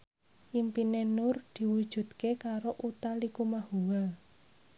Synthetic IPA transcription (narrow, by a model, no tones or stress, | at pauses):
ʔimpinenʊrd̪̥i̤wud̥ʒ̥ṳd̪kekaɾoʔut̪alikumahuwal